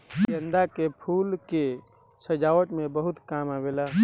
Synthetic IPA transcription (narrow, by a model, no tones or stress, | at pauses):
kend̪akepʰuːlke | səd͡ʒaːʋəʈmẽbəɦʊt̪kaːmabeːlaː